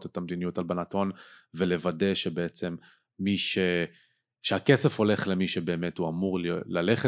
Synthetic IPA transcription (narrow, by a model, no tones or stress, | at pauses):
tetamlinijutalbanato̞nvele̞vade̞ʃebeet͡se̞mː | iʃe | ʃeakesefo̞le̞χlemiʃebe̞ːme̞thuamuʁlaleχe